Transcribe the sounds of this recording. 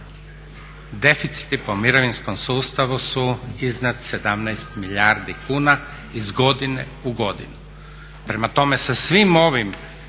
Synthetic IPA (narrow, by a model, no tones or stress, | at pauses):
d̪e̞fit̪si̥t̪ipo̞miɾoʋinsko̞msuːst̪aʋusuiznat̪se̞d̪amnɛjst̪miʎaɾd̪ikuːna | izɡo̞d̪inḛ | uɡo̞d̪ḭnu | pɾe̞mat̪o̞me̞sesʋimo̞ʋim